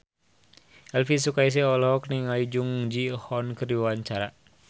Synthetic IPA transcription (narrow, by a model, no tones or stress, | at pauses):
ɛlfis̬ukais̬ɛɔlɦɔkniŋaid͡ʒuŋd͡ʒihɔnkərdiwaɲt͡ʃaɾa